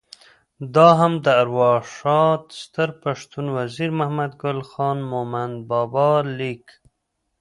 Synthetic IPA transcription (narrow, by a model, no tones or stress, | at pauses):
d̪ɑɦamd̪əaɾwɑʂɑt̪st̪əɾpaʂt̪unwaziɾmahmad̪ɡʊlxɑnmomanbɑbɑlik